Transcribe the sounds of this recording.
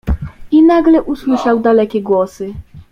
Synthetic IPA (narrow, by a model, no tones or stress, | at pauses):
inaɡlɛʔuswɘʂawd̪alɛkʲɛɡwɔsɘ